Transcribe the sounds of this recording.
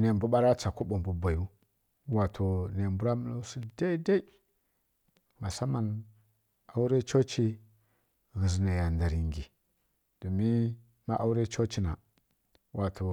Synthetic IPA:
ne˨bu˦ɓa˦ɾa˦t͡sa˨ko˦ɓo˨mbu˨ba˨ju˦ | wa˨tʰo˨ne˨mbu˦ɾa˦mə˦lo˦su˦da˦i˦da˦i˦ | ma˨sa˦ma˨n | a˦wu˦ɾe˦t͡ʃo˦t͡ʃi˦ | ɣi˨zna˨ja˨nda˨ɾi˨ŋɡi˨ | d̥o˨mi˦ | ma˦ʔa˦u˦ɾe˦t͡ʃo˦t͡ʃi˦na˨ | wʔa˨tʰo˨

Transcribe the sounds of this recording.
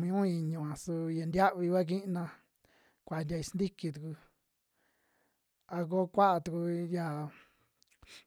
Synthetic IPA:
mĩ˧ũ˦i˧ɲũ˧˨ã˨su˧ja˨nd̪ja˦ʔβi˧kʷa˦k̬i˦˧nã˧ | kʷa˨ndʲa˧i˧snd̪i˦ki˧t̪̬u˨ku˧ | a˧k̬o˦kʷa˦ʔa˧t̪u˧ku˧ja˨

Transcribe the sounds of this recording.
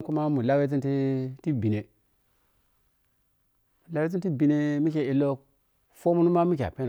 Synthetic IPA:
ku˦ma˦mu˨la˦we˦t͡s̬i˦nti˦ti˦bi˨ne˨ | u˨la˦we˦t͡s̬i˦nti˦˨bi˨ne˨mi˦k̬ʲe˨i˨lːo˦ | fo˦mu˦nu˦ma˦mi˦k̬ʲa̰˨pe˦n˨

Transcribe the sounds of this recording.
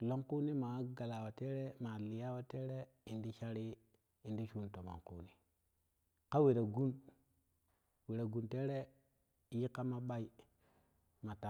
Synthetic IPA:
lo˦ŋku˦ni˦ma˨˦ɡa˨la˨wa˨te˦ɾe˦ma˨li˨ja˦wa˦te˦ɾe˦ | i˨ndi˦ʃa˦ɾi˦ | i˨ndi˦ʃu˦nto˨ma̰˨ŋkṵ˦ni˨ | ka˦we˨ɾa˨ɡu˦n | we˨ɾa˨ɡu˨nte˦ɾe˦ | ji˦kːa˦ma˦ɓa˦i˨ | ma˨ta˨

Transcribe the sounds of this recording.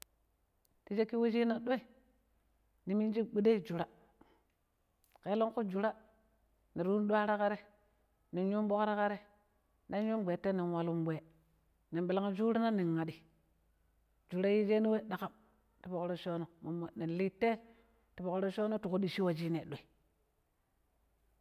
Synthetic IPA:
ti˦d͡ʒe˦kːi˦we˦d͡ʒi˦na˨ɗo˦e˦˨ | ni˨mi˦d͡ʒi˦bi˦de˦d͡ʒu˨ɾa˦ | ke˨˦lo˦ŋku˦d͡ʒu˨ɾa˦ | ni˨ɾu˦n˦ɗu˦a˦ɾa˦ka˦ɾe˦ | ni˨nɲu˦mɓo˦kɾa˦ka˦ɾe˦ | na˦ɲu˦mɡ͡bʷe˨tːe˦ni˨nwa˨lu˦mbʷe˨ | ni˨nɓi˨la˦ŋ˦d͡ʒu˦ɾi˦na˦ni˨ŋːa˨di˨ | d͡ʒu˨ɾa˦ji˦d͡ʒe˦ni˦we˦ɗa˨ka˦˨m | ti˨po˨kɾo˦ʃo˦no˨mo˨mːa˨ni˨n˨li˦tːe˦ | ti˨po˨kɾo˦ʃo˦no˦tu˨ku˦di˨ʃi˦wa˨d͡ʒi˦ne˨ɗʷe˨

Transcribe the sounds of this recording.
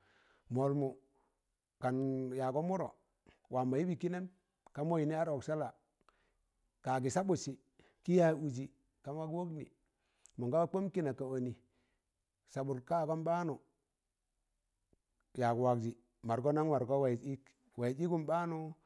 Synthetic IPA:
mo˨lmu˨ | ka˨nja˨ɡo˦mu˦ɾo˨ | wʔa˨ma˨ji˦bi˨ki˦ne˦m | ka˦mo˦ji˨ni˦a˦ɾo˨ksa˦la˨ | ka˨ɡi˨sa˦bu˨si˨ | ki˦ja˦u˨d͡ʒi˨ | ka˨n˦wa˦kwo˦knḭ˨ | mo˨ŋɡa˦a˦k͡po˦mki˦na˨ka˨o˨ni˨ | sa˨ɓu˨ɾka˦˨ɡo˦mba˦nu˨ | ja˨ɡu˨wa˨kd͡ʒi˨ | ma˨ɾɡo˦na˦ŋwa˨ɾɡo˦wa˨i˦k | wa˨i˨d͡ʒi˦ɡu˦mba˦nu˦

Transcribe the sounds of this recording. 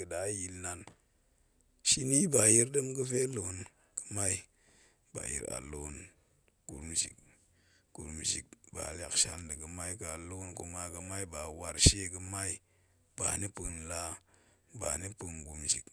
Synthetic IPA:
ə˨da˨˦ji˨lna˨n | ʃi˦ni˦ba˨ji˦ɾdə˦mkə˦fe˦lo˨n | kə̥˦ma˦i˦ | ba̰˨jḭ˨ɾa̰˨lo˨n | ɡ̥ṵ˨ɾmzḭ˨k̚ | ɡ̥ṵ˨ɾmzḭ˨k̚ba̰˨la˨kʃa˦ldə˨kə˨ma˦i˦ka˨lo˦nku˨˦ma˦kə˧ma˦i˦ba˨wa˨ɾʃe˦kə˨ma˦i˦ | b̥a̰˨ni˦pɨ˨nla˦ | ba̰˨ni˦pɨ˨nɡu˨mzḭ˨k̚

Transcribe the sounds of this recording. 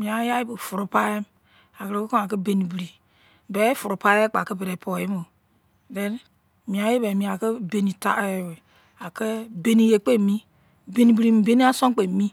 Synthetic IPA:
mĩ˨a˨˦ja˦i˦bə˨fu˨ɾu˦pa˦e˦m | a˨kɾe˨˦ko˦ko˦a˨kə˦be˨ni˨bi˨ɾi˨ | bɛ˦fu˨ɾu˨pa˦e˦k͡pa˨kə˦be˨ɾe˨pʰo˨e˦mo˨ | dɛ˦n | mĩ˨a˨˦je˦be˨mĩ˨˦a˨kə˦be˨ni˨ta̰˦we˨ | a˨kə˦be˨ni˨je˨k͡pe˦˨mĩ˦ | be˨ni˨bi˨ɾi˨mi˨be˦ni˦a˦sõ˦ŋ˦k͡pe˨mĩ˦

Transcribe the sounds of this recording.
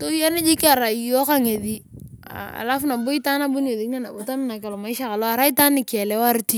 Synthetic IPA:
to˦ja˦nɪ˦d͡ʒi˦ka˨ɾa˨jo˦ka˦ŋe˨ði˦a̰a̰˨la˦fna˨bʊ˦i˦ta˦na˦bu˦n˦e˨ði˨kne˦na˨bʊ˨ta˦mɪ˦na˨ka˨lɔ˨ma˨ɪ˦ʃa˦ka˨lɔ˦a˨ɾa˦i˦ta˦nɪ˨ka˨lɛ˦wa˦ɾti˦

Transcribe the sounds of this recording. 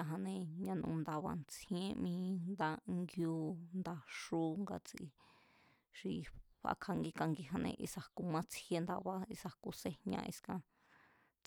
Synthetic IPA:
a˧ɦã˧nẽ˧ɲã˧nũ˧nd̪a˧βa̰˧nt͡sʰĩ˦ẽ˦˧mĩː˧nd̪a˧ŋɡju˧nd̪a˧ʂu˧˦ŋɡa̰˧t͡si˧ | ʂi˧ɸa̰˧kʰa˧ŋɡi˧ka˧ŋɡi˧ɦã˧nḛ̃˧ʔi˧sa˨hku˧mã˦t͡shje˧nd̪a˧βa˧i˧sa˨ku˧se˦hɲã̰˧ʔi˧skã˧ | t͡s

